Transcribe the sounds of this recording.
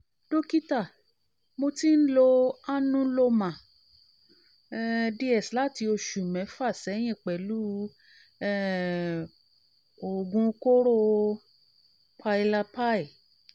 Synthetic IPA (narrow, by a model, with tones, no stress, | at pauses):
d̥o˦ki˦ta˦˨ | mo˧ti˦n̩˦lo˧a˦nũ˦lo˧mã˨˦ | di˦ɛ˨sla˦˨ti˧o˧ʃu˨mɛ̃˨˦fa˦˨sɛ˨˦j̃ĩ˦˨k͡pɛ˨lu˦ | ɛ˦ | o˨ɡũ˧ko˦ɾo˦ | pʰa˧i˧la˧pa˦i˨